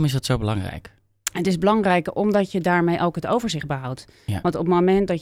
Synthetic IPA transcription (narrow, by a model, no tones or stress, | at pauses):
mɪsdɑtsowbəlɑ̰ŋrɛ̰jk | ətɪzbəlɑŋrɛjkɔmdɑcjədaːɹmejʔowkɦətowvəɹzɪχd̚bəɦʌwt | ʋɑntɔpmomɛnt̚dɑ